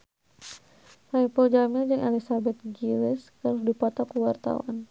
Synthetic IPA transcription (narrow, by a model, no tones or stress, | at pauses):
saipɔld͡ʒamɪld͡ʒɨŋʔɛlisabɛt̪̚ɡilɪskəɾusdipɔt̪ɔkuwart̪a̰wa̰n